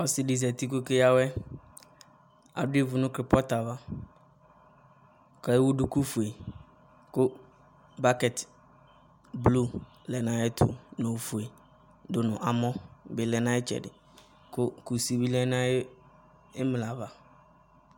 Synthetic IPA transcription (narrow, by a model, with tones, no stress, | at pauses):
ɔ˨sɪ˨di˨za˨ti˦ko˦ke˦ja˦wɛ˦ | a̰˨dʊ˦e˦vʊ˨nʊ̃˦kɾɪ˨pɔ˦ta˨va˦˨ | kʰa˨jwʊ˦dʊ˨˦ku˦fu˨e˨ | kʊ˦ | ba˦kɛ˨t | blu˦ | lɛ˨nã˦jɪ˦tʰʊ̰˨nõ˨fu˨e˨ | dʊ˨nʊ̃˨ʔa˨mɔ̃˦bɪ˨lɛ˨nã˦ɪ˦t͡ʃʰɛ̰˨dɪ̰˨ | kʰʊ˦ku˨si˦bi˦lɛ˦nã˦jɪ˦ | ɪ˦m˨la˨va˨